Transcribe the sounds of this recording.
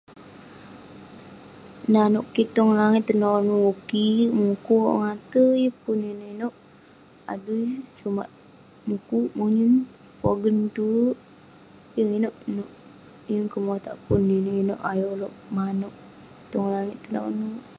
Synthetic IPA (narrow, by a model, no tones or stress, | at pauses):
nanoʔkːit̪ɔŋlaŋɪt̪ːənonuukimukuoʔŋat̪əjəpuninəinoʔ | a̰dujt͡ʃuma̰ʔ̚ | mukuʔmuɲin | po̰ɡənt̪uʔ | jəŋinoʔnoʔ | jəŋkəmot̪a̰ʔpuninəino̰ʔajoloʔmanoʔ | t̪ɔŋlaŋɪt̪ːəno̰nu